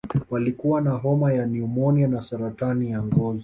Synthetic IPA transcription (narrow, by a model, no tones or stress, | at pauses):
walikuwanaɦɔmajaniumɔnianasaɾatanijaŋɡɔzɔ